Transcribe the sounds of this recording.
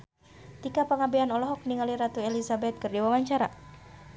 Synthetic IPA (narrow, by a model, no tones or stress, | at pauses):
t̪ikapəŋabianɔlɔɦɔk̚niŋaliɾat̪uelisabɛt̪̚kɨrdiwawaɲt͡ʃaɾa̰